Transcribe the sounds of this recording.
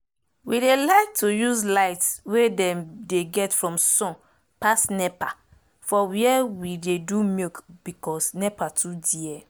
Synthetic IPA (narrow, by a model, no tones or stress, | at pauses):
widelaɪk̚tujuzlaɪtswedɛ̃mdeɡɛtfɹɔ̃msɔ̃n | pasnɛpa | fɔwiɛwidedumikb̥ikɔsnɛpatʰudiɛ